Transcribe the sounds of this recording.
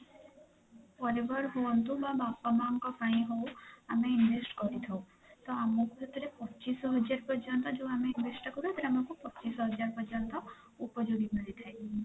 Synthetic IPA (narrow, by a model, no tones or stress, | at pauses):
pɔɾebɔɾɦuwɔnt̪ubabapːɔmaŋkɔpʰaĩɦowameinʋesʈkɔɾit̪ʰaw | t̪ɔamɔkuet̪ʰiɾepɔːt͡ʃisɔɦɔd͡ʒaɾpɔɾd͡ʒɔnt̪ɔd͡ʒõw̃ameinʋesʈɔkɔɾuet̪ʰɾamakupɔtːt͡ʃisɔɦɔd͡ʒaɾpɔd͡ʒɔnt̪ɔ | upɔd͡ʒuɡimilit̪ʰae